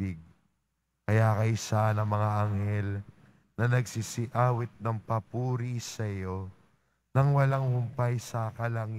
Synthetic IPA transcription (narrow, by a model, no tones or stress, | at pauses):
ɪɡ̚ | kɐjakɐjsanɐŋmɐŋaʔɐŋhɛl | nɐnɐɡsisɪʔaːwɪt̪̚nɐŋpɐpuːɾisɐjo̞ | nɐŋwɐlaŋhʊmpajsɐkɐlɐŋ